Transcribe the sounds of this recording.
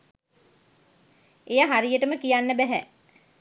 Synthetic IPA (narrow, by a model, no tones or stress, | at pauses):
ejaɦaɾijəʈəməkijanːəbæɦæ